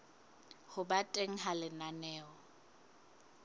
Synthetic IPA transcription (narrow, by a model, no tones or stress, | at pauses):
hʊbatʼeŋ̩ɦalɪnanɛːɔ